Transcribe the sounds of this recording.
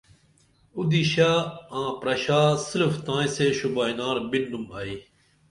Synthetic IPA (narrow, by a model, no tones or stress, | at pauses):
ud̪iɕaːãːpɾɐɕaːsiɾft̪ãːjseːɕubaːjnaːɾbinːumai